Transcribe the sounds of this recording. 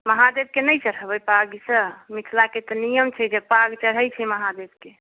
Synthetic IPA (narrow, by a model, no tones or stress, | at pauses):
məɦad̪eb̚kenəjt͡ʃəɽ̤əbəpaɡsəmit̪ʰlaket̪ɔnijəmt͡ʃʰɛd͡ʒepaɡt͡ʃəɽ̤əjt͡ʃʰɛməɦad̪eb̚ke